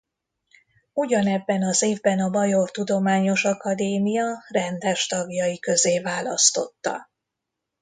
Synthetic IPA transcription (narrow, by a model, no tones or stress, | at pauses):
uɟɒnɛbːɛnɒzeːvbɛnɒbɒjo̞rt̪ud̪o̞maːɲo̞ʃɒkɒd̪eːmijɒrɛnd̪ɛʃt̪ɒɡjɒjikø̞zeːvaːlɒ̰st̪o̞̰t̪ːɒ̰